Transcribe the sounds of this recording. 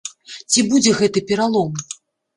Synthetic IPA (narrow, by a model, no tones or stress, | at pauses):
t͡sʲibud͡zʲɛɣɛt̪ɨpʲɛɾalˠɔm